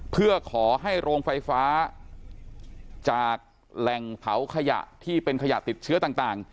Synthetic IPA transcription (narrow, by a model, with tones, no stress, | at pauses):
pʰɯ˥˩ɐkʰɔː˩˦ɦa˥˩jɾoː˧ŋfa˧jfaː˦˥ | t͡ɕaː˨˩k̚ | lɛ˨˩ŋpʰa˩˦wkʰa˧ja̰˨˩ʔt̪ʰiː˥˩pe˧nkʰa˧ja˨˩t̪i˨˩t̪̚t͡ɕʰɯ˦˥t̪aː˨˩ŋt̪aː˨˩ŋ